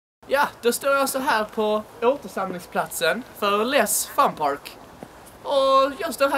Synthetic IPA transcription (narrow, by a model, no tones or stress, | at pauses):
jɑːd̪̥ɔst̪oːɾjɑsɔɦæːɾpʰɔ | oːt̪əʂamlɪŋspʰlat̪sənfœɾlɛsfampʰɑɾk | ɔjɑst̪oːɾɦæ